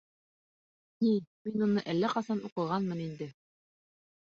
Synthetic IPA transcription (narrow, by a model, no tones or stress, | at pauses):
niminunɤʔælːæqɑsɑnuqɤ̆ʁɑnmɤnind̪ɘ